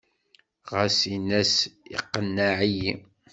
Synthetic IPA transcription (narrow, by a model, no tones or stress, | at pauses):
ʁəsinæsḭqːənːaʕiji